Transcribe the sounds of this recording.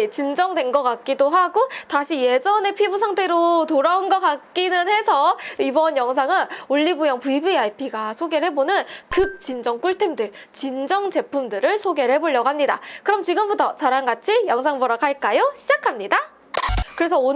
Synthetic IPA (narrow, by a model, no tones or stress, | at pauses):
t͡ɕind͡ʑʌŋdwe̞nɡʌk͈ak̚k͈idoɦaɡotaɕʰije̞d͡ʑʌne̞pʰibusʰaŋtʰe̞ɾotoɾaunɡʌk͈ak̚k͈inɯnhe̞sʰʌibʌnjʌŋs̬ʰaŋɯnoʎːibujʌŋpubiaipʰiɡasʰoɡe̞ɭhe̞bonɯnkɯk̚t͡ɕ͈ind͡ʑʌŋk͈uɭtʰemdɯɭt͡ɕind͡ʑʌŋd͡ʑe̞pʰumdɯɾɯɭsʰoɡe̞ɭhe̞boɭːʌɡɦamɲida̰kɯɾʌmt͡ɕiɡɯmbutʰʌt͡ɕaɾanɡat͡ɕʰijʌŋsʰaŋbʌɾakaɭk͈ajoɕʰid͡ʑakʰamɲida | kɯɾe̞s̬ʰʌo